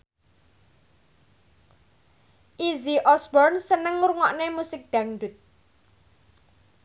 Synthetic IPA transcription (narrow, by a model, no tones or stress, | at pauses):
ʔiziʔɔsbɔrnsənəŋuɾuŋɔʔnemusɪk̚d̪̥äŋɖʊt̪̚